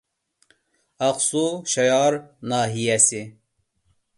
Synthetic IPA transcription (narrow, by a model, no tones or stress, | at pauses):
ɑqsuʃɛjɑɾnɑːɦijɛsi